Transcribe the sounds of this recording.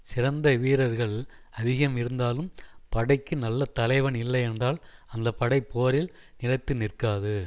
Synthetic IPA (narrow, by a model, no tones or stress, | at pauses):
sɪɾɐnd̪ɐʋiːɾɐɾɣɐɭ | ɐðɪɣɐmɪɾɯnd̪aːlɯmpɐɽɐɪkːɯnɐlːɐt̪ɐlɐɪʋɐnɪlːɐɪɛndraːlɐnd̪ɐpːɐɽɐɪpːoːɾɪl | nɪlɐɪt̪ːɯnɪrkaːðɯ